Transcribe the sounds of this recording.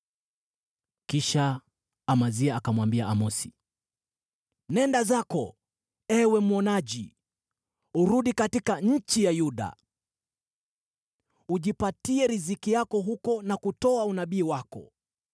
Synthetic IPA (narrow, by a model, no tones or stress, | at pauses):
kiʃaː | maziaakamwambiaamɔsi̥ | nɛndazakɔ | ɛwɛmuɔnaʄḭ | uɾuɗikatikaɲ̩t͡ʃijajuɗa̰ | uʄipatiɛɾizikijakɔɦukɔnakutɔaunaɓiːwakɔ̰